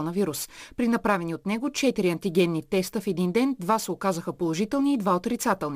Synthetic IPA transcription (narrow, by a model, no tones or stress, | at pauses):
ɔnəviɾuspɾinɐpɾavɛniot̪nɛɡot͡ʃɛt̪iɾiɐnt̪iɡʲɛnːit̪ɛst̪əfɛd̪ind̪ɛnd̪vasɛokazəxəpolˠoʒit̪ɛlˠniːd̪vaot̪ɾit̪sat̪ɛlˠni